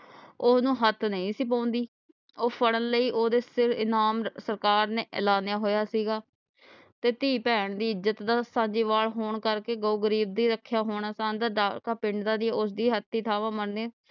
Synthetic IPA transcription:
ʊsnũːɦət̪ʰnəĩːsiːp̬ãːnd̪iː | oːpʰəɽənləiːʔoːd̪eːsɪɾɪnaːmsəɾkaːɾneːʔə̰laːnjaːɦoːjaːsiːɡaː | t̪eːt̪iːpɛːɳd̪iːɪzət̪d̪aːsãːd͡ʒiːʋaːlɦoːɳkəɾkeːɡouːɡəɾiːb̚d̪iːɾəkʰːjaːɦoːɳ̃aːsaːnd̪aːɖaːkaːpɪɳɖd̪aːd̪ieːʊs̬d̪iːɦət̪ʰːiːt̪ʰaːʋãːmənneː

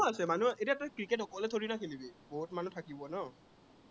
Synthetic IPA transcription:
ɔasɛmanuaetiaɛtakɹiket̬ɔkɔlɛtʰoɹinakʰilibiboɦutmanutʰakibɔnɔ

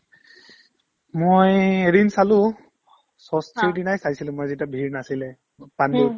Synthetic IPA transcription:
mojeɾinsalʊ̃ | sɔstʰiɹdinajsajsilʊ̃mojzitabʱiɹnasilɛ | pandu

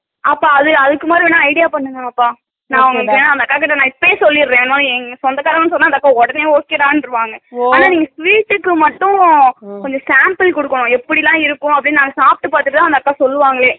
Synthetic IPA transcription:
ʔɐpːaːɐðɯɐðɯkːɯmaːd̪ɾiʋeːnːãːɐɪɽɪjaːpɐɳːɯŋɡɐ̃ɐpːaː | nãːɐʋɐŋɡɪkːeːnãːɐnd̪ɐkːaːkɪʈ̬ːɐnãːɪpːɐeːsɔlːɪɾɯɾẽːnːmaːlɛŋɡɐsɔnd̪ɐkaːɾɐmɐnːɯs̬ɔnːaːɐnd̪ɐkːaːɔɽɐneːoːkːeːɾãːnɪɾɯʋaːŋɡɐaːnaːniːŋɡɐsʋiːʈːɯkːɯmɐʈːʊ̃kɔɲd͡ʒɔ̃saːmpɪlkɔɽɯkːɐɳʊ̃ɛpːɐɽɪlãːɪɾɯkːʊ̃ɐpːɽɪnːnaːŋɡɐsaːp̚ʈːɯpaːt̪ɯʈːɯt̪ːãːɐnd̪ɐkːaːsɔlːɯʋaːŋɡɐɭeː

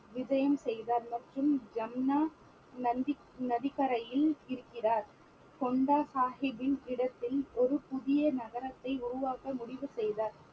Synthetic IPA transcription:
ʋɪd͡ʒɐjɐmsɛjðaːɾmɐʈrɯmd͡ʒɐmnaː | ɐd̪ɪ | nɐðɪkːɐɾɐjɪlɪɾɯkːɪraːɾ | kɔɳɖaːsaːɦɪbɪnɪɽɐt̪ːɪlɔɾɯpʊðɪjɐnɐɣɐɾɐt̪ːɐɪʊrʊʋaːkɐmʊɽɪʋɯsɛjðaːɾ

